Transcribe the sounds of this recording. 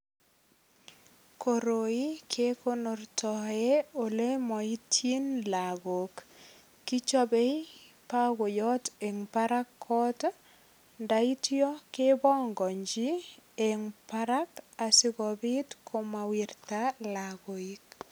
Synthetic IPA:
ko˨ɾo˨i˦kʰe˦ko˦nʊ˨rtɔ˨e˦o˨le˦mɔ˨i˦tʰji˦nla˨ɡo˨kː | i˦t͡ʃɔ˦be˦i˦ | pa˦ɡo˨jɔ˦te˨ŋpa˦ɾa˦kʰːɔ˦t | nda˦i˦tjɔ˦ke˦bɔ˦ŋɡɔ˨ɲd͡ʒi˦e˨ŋpaɾa˦ka˨sɪ˦ɣɔ˨bɪ˦tkʰo˦ma˨wi˨rtalaɡo˨ik

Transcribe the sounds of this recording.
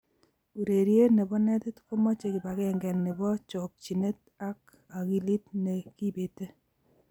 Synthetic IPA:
u˨ɾe˨ɾje˦ne˨bɔ˦nɛ˦tɪ˦tko˦mɔ˦t͡ʃe˨kɪ˨ba˨kɛ˦ŋɡɛ˨nne˨bɔ˦t͡ʃɔ˨k̚t͡ʃi˨ne˦t̚ | a˦k̚ | a˨ki˨li˦tne˨ki˦˨be˨te˦

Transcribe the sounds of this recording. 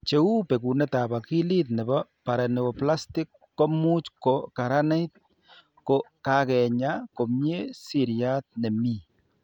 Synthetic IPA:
t͡ʃe˨u˦pe˨ku˨nɛ˦t̪a˨ba˨ki˦li˦t̪nɛ˨ba˦pa˨ɾɛ˨nɛ˨ko˨pla˦st̪i˦kːo˦mu˦t͡ʃko˨ka˨ɾa˦ne˦jt̪̚ | ko˨kakɛ˨ɲa˦ko˨mje˦si˨ɾja˦t̪̚nɛ˨mi˦˨

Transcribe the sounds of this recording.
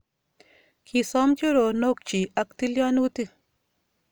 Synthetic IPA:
kʰi˨sɔ˦mt͡ʃo˦ɾo˨no˦k̚t͡ʃi˨a˨kt̪i˦lja˦nu˦t̪i˦

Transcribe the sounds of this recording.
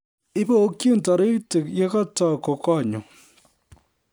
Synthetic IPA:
i˦po˦o˦kji˦n̩˨tɔ˨ɾi˦te˨kje˦ka˦tɔ˦˨ko˨kɔ˦˨ɲo˨

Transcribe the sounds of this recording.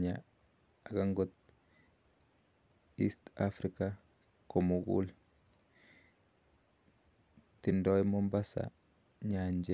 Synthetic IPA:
ɲa˨ | a˨ɡa˦ŋɡo˦t̪̚ | ḭ˦st̪a˦fɾika | ko˨mo˨ɡṵ˦l | t̪i˨ndo˦jmo˦mba˦sa̰˨ | ɲa˨ɲd͡ʒe˦

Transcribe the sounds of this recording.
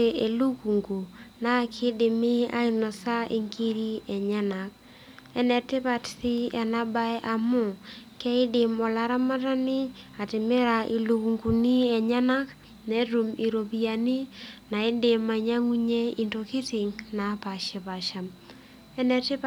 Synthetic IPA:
e˨e˨lu˦ku˨ŋɡu˨na˦˨kʰɪ˦dɪ˨mɪ˦a̰˦ɪ˦nɔ˨sa˦ʔi˨ŋki˦ɾi˦ɛ˨ɲa˦na˨k̚ | ɛ˦nɛ˨tɪ˦pa˨tsɪ˦ɛ˨na˦ba˦jʔa˨mʊ˦˨kɛ˦ɪ˦dɪ˨mɔ˨la˦ɾa˦ma˦ta˦nɪ˦a˨tɪ˨mɪ˦ɾa˨ʔi˨lu˨ku˨ŋɡu˨ni˦ɛ˨ɲa˦na˦k | ne˦tu˨mi˨ɾo˨bi˨a˨ni˦na˨ɪ˦dɪ˨ma˨ɲa˦ŋi˦ɲe˦i˨nto˨ki˦tɪ˨ŋna˨˦pa˨ʃɛ˨pa˨ʃa˨m | ɛ˦nɛ˨tɪ˦p

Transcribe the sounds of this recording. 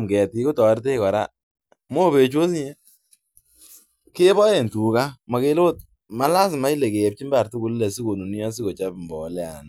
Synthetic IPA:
mkɛ˨t̚ki˦ku˦tɔ˨˦ɾte˦kɔ˨ɾa̰˦ | mo˦be˨t͡ʃwo˦sɲe˦ | ke˦bɔ˦e˨ntu˨ka˦ma˨ke˦lo˦t̚ | ma˦la˦s̬ma˦i˦le˨ke˨p̚t͡ʃi˦mba˨ɾtu˦ku˦lle˨si˦ko˨nu˨ni˦ɔ˦s̬i˦ko˨t͡ʃa˦pmbɔ˨˦lɛ˦a̰˨n

